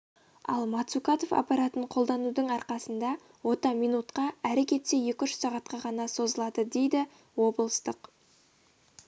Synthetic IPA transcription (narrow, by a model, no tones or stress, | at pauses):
ɑ̰lˠmɑt̪sukɑt̪o̞fɑ̰pɑɾɑt̪əɴqʰo̞lˠd̪ɑnud̪əɴɑɾqɑsənd̪ɑ | wo̞t̪ɑmijnut̪qɑæɾekʲe̞t̪se̞je̞kʲʏʃsɑʁɑt̪qɑʁɑnɑso̞zəlˠɑd̪əd̪e̞jd̪ɪ | wo̞bəlˠəst̪əq